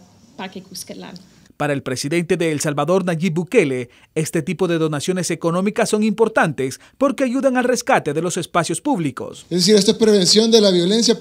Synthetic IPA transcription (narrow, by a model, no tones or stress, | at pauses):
pakekuskela̰n | paɾaelpɾe̞siðe̞nt̪e̞ðe̞ːlsalβaðo̞ɾnaʝibuke̞le | e̞st̪e̞t̪ipo̞ðe̞ðo̞nasjo̞ne̞se̞ko̞nõ̞mikasːo̞ŋimpo̞ɾt̪ant̪e̞s | po̞ɾke̞aʝuðaŋalre̞skat̪e̞ðe̞lo̞se̞spasjo̞spuβliko̞̰sezðes̬iɾest̪oespɾeβẽnsjo̞nd̪elaβjo̞le̞ns̬ja